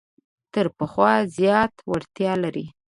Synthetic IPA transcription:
t̪əɾpəxwɑzjɑt̪waɾt̪jɑlaɾi

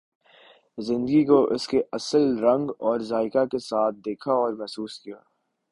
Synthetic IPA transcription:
zɪ̃nd̪əɡikoʔɪskeʔɐsəlɾɐ̃ŋɡɔːɾzaːɪkakesaːt̪̚ʰd̪eːkʰaɔːɾmɛɦsuːskijaː

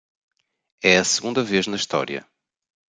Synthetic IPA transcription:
ɛɐsɨɣũnd̪ɐveʒnɐiʃt̪ɔ̰ɾjɐ̰

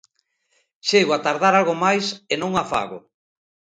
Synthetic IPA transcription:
ʃeɣoat̪aɾðaɾalɣomajsenõŋafa̰ɣo

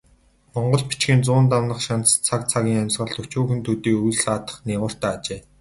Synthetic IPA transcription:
mɔɴɢɞ̆ɮpi̥t͡ɕɡiːnt͡sʊːnt̪̬awnə̆χʃan̥t͡sʰak̚t͡sʰaɣʲiːŋamʲsʁə̆ɮt̪ʰɵt͡ɕuːxɘ̆nt̪ʰut̪iːkujɮsaːt̪ə̥̆χniːʁʊːr̥t̪æːat͡ɕeː

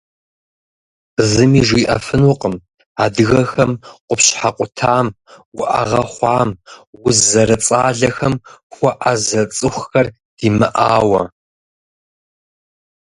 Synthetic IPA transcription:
zɨmiːʒʷiʔɐ̰fɨnʊqʼəm | aːdɨɣɐxɐmqʷʊpɕħaqʷʼʊtʰaːm | wʊʔa̰ʁɐχʷɑːmwʊzːɐɾɐt͡sʼaːɮɐxɐmxʷɔʔɐzɐt͡sʼɨxʷxɐr | d̥iːmɨʔaːwɐ̰

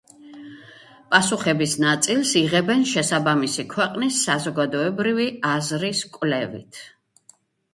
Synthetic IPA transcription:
pʼasuχɛbisnat̪sʼilˠsiʁɛbɛnʃɛsabamisikʰwɛqʼnisːazɔɡad̪ɔɛbɾiviazɾiskʼwlɛvḭt̪ʰ

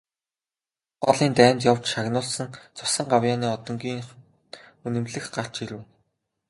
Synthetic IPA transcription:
ɢɔ̰ɮiːnt̪æːmʲt̪jawt͡ɕʃaɣnʊːɮsə̆nt͡sʰʊ̥sə̆ɴɢawjaːniːɔt̪ɞ̆ŋɡʲiːŋ | unɘ̆mɮɘ̆xɢar̥t͡ɕiɾɘ̆w

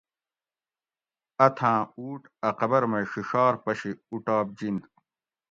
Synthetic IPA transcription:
ɐt̪ʰãːuːʈɐqɐbɐɾmɐɕiɕaːɾpɐɕiuʈaːb̚d͡ʑind̪

